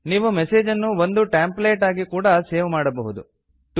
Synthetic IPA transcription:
niːʋumeseːd͡ʒɐnːuʋo̞nd̪uʈaːmpleːʈaːɡikuːɽɐse̞ːʋmaːɽɐbɐɦud̪u | ʈ

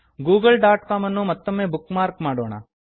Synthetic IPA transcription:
ɡuːɡɐlɖaːʈkaːmɐnːumɔt̪ːomːeːbukːmaːɾkmaːɽoːɳɐ̰

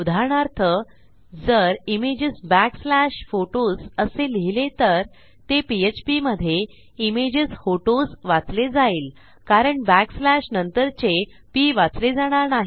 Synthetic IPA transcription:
ud̪ʱaɾɳ̃aɾt̪ʰə | d͡zəɾimed͡ʑəsbækslæɕfoʈosəseliɦilet̪əɾ | t̪epiet͡ɕpiməd̪ʱːje | imed͡ʑəsfoʈosʋat͡sled͡zaiːl | kaɾəɳbækslæɕnənt̪əɾt͡ɕe | piʋat͡sled͡zaɽ̃aɾnaɦi

